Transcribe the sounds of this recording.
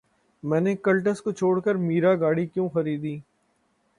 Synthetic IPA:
mɛ̃ːnekəlʈəskot͡ʃʰoːɽkəɾmiːɾaɡaːɽikjõːxəɾiːd̪iː

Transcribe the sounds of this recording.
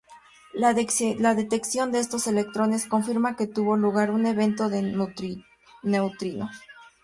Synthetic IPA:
laðe̞t̪e̞ksjo̞nd̪e̞est̪o̞se̞le̞k̚t̪ɾo̞ne̞sko̞ɱfiɾmake̞t̪uβo̞luɣaɾune̞βe̞nt̪o̞ðe | ne̞wt̪ɾino

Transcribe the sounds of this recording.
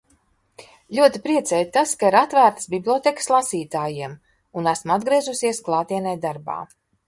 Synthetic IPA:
lʲuɔt̪ipɾiɛt̪sɛjt̪askaiɾat̪væːɾt̪ə̥sbʲiblʲˠiɔt̪ekslˠasiːt̪aːjiɛm | unæsmad̪ɡɾiɛzusiɛsklˠɑːt̪iɛnɛjd̪aɾba̰ː

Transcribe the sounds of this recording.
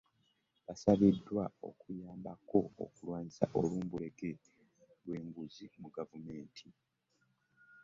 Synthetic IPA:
βasaβidːwao̞̰kujaːmbako̞̰ːkulwaːɲisaʔo̞luːmbule̞ke | lwe̞ːŋɡuzimuɡavume̞ːntʰi

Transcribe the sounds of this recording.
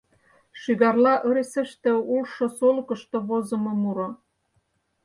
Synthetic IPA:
ʃyɣɑrlɑʔə̆ɾesə̆ʃt̪ĕulʃŏsolkɤ̆ʃt̪ŏβozɤ̆mɤ̆muɾo

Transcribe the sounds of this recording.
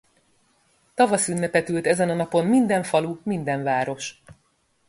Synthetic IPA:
t̪ɒvɒsynːɛpɛt̪ylt̪ɛzɛnɒnɒpo̞mmind̪ɛɱfɒlumind̪ɛɱvaːɾo̞ʃ

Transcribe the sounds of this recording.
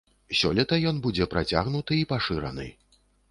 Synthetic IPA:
sʲɔ̰lʲɛt̪ɐjɔnbud͡zʲɛpɾat͡sʲa̰ɣnut̪ɨipaʂɨɾɐ̰nɨ̰

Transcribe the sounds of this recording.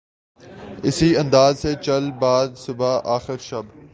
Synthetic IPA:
ɪsiɐ̃nd̪aːzset͡ʃɐlbaːd̪sʊbaʔaːxɪɾʃɐb

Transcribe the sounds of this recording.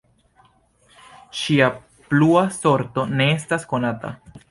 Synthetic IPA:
ʃia | pluaso̞ɾto̞ne̞e̞stasko̞nata̰

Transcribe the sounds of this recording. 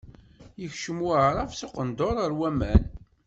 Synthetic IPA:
jəçʃəmwəʕɾˤɑvsoqənd̪oɾˤəɾwæmæn

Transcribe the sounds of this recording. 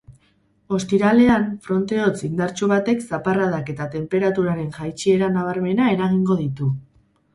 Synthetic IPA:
o̞st̪iɾale̞aɱfɾo̞nt̪e̞o̞t͡sind̪aɾt͡ʃuβ̞at̪e̞ksaparað̞ake̞t̪at̪e̞mpe̞ɾat̪uɾaɾe̞nʝajt͡ʃie̞ɾanaβ̞aɾme̞nae̞ɾaɣ̞iŋɡo̞ðit̪u

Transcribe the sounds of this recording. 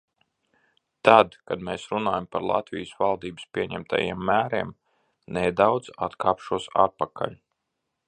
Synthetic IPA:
t̪ad̪kad̪meːsɾunaːjampaɾlˠa̰t̪vʲijəsvalˠd̪iːbɨspʲiɛɲæmt̪ʰa̰jḭɛmːæːɾiɛm | nejd̪awd̪za̰t̪kʰaːpʃuɔsa̰ɾpakʰa̰ʎʲ

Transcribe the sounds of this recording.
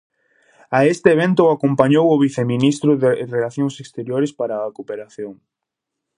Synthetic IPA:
aest̪ɪːβ̞ent̪ʊakompaɲowʊβiθemĩnist̪ɾʊðerelaθjoŋsest̪eɾjoɾespaɾaːkopeɾaθjoŋ

